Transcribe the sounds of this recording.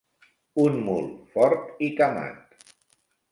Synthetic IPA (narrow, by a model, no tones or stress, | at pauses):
unmṵlˠfɔɾt̪ikama̰t̪